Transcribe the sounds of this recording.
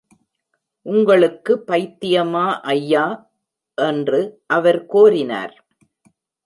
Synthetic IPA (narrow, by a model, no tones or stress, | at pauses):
ʔʊŋɡɐɭɯkːɯpːɐɪt̪ːɪjɐmaːʔɐjːaː | ʔɛndrɯʔɐʋɐɾkoːɾɪna̰ːɾ